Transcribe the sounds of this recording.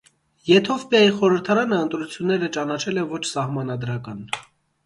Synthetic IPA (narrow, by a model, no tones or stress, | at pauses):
jɛt̪ʰɔfpjɑjiχɔɾəɾt̪ʰɑɾɑnəənt̪ɾut͡sʰjunːɛɾət͡ʃɑnɑt͡ʃʰɛlɛvɔt͡ʃʰsɑhmɑnɑd̪ɾɑkɑn